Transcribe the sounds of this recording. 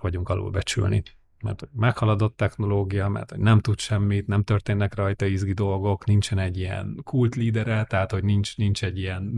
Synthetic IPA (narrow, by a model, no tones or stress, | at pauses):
ʋɒɟuŋkɒlo̰ːlbɛt͡ʃy̰lnḭ | mɛ̰rt̪ho̞ɟ̥mɛkhɒlɒd̪o̞t̪ːɛxno̞loːɡijɒmɛ̰rt̪ho̞ɟnɛmt̪ut̪ʃɛmːit̪nɛmt̪ørt̪eːnːɛkrɒjt̪ɒizɡid̪o̞lɡo̞knint͡ʃɛnɛɟːijɛ̰nkult̪liːd̪ɛɾɛt̪ɛɦaːt̪ho̞ɟnint͡ʃnint͡ʃɛɟːijɛn